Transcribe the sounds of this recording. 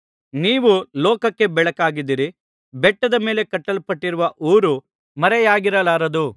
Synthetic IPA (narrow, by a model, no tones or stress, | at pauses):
niːʋulɔːkɐkːe̞bɛɭɐkaːɡid̪ːiɾi | bɛʈːɐd̪ɐme̞ːle̞kɐʈːɐlpɐʈːiɾuʋɐʔuːɾu | mɐɾɛjaːɡiɾɐlaːɾɐd̪u